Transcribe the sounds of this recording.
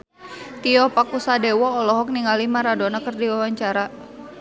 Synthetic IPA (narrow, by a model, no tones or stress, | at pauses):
t̪iɔhpakusadewɔːlɔɦɔk̚niŋalimaɾadonakərdiwawaɲt͡ʃaɾa